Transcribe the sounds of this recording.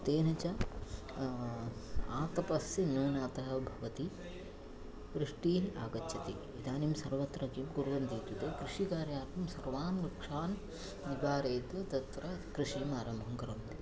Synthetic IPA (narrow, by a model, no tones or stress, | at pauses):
t̪eːnɐt͡ʃɐ | aːt̪ɐpɐsjɐnuːnaːt̪ɐɦɐbʱɐʋɐt̪i | ʋɾɨʂʈiːaːɡɐt͡ʃʰːɐt̪i | id̪aːnimsɐɾʋɐt̪ɾɐkimɡuɾʋɐnd̪iːt̪ut̪eːkɾiʂikaːɾjaːɾt̪ɐmsɐɾʋaːnʋɐkʂaːn | nibaːɾeːt̪ɐt̪ɐt̪ɾɐkɾiʂiːmaːɾɐmbʱɐŋkɐɾɐmt̪i